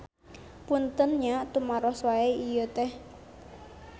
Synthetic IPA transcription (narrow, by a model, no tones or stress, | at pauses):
punt̪ənɲaʔt̪umaɾɔhswaeijət̪ɛh